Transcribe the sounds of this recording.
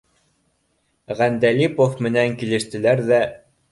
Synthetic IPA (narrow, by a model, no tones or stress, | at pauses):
ʁænd̪ælipofmɘ̆næŋkilɘ̆ʃt̪ɘ̆læɾðæ